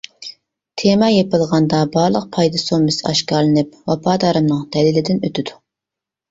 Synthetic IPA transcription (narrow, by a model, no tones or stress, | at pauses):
t̪ʰemɑjepɨlˠʁɑnd̪ɑbɑɾlˠəq̚pʰɑjd̪ɨsomɨsɨɑʃkɑɾlˠɨnɪp̚wɑpʰɑːd̪ɑːɾɨmnɨŋd̪̥ɛlɪlɪd̪ɪnøt̪ʰɪd̪u